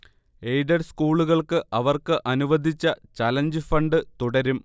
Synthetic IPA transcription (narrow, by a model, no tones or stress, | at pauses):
ejɖɐrskuːɭuɣɐɭkɨʔɐʋɐrkɨʔɐnuʋɐd̪ʱit͡ɕːɐt͡ɕaːlɐɲd͡ʑɨfɐɳɖɨt̪uɽɐɾum